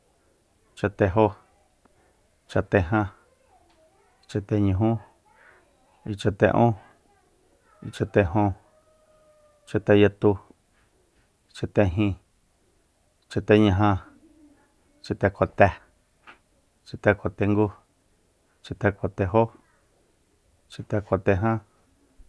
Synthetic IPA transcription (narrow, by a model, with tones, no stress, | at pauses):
t͡ʃa˧t̪e˧ɦo˦ | t͡ʃa˧t̪e˧ɦã˧ | t͡ʃa˧t̪e˧ɲũ˧˨ɦũ˦ | i˧t͡ʃa˧t̪e˧ʔõ˦ | i˧t͡ʃa˧t̪e˧ɦõ˧ | t͡ʃa˧t̪e˧ja˧t̪u˧ | t͡ʃa˧t̪e˧ɦĩ˧ | t͡ʃa˧t̪e˧ɲã˧ɦã˧ | t͡ʃi˧t̪e˧kʰo˨t̪e˧ | t͡ʃi˧t̪e˧kʰo˨t̪e˧ŋɡu˦ | t͡ʃi˧t̪e˧ko˨t̪e˧ɦo˦ | t͡ʃi˧t̪e˧ko˨t̪e˧ɦã˦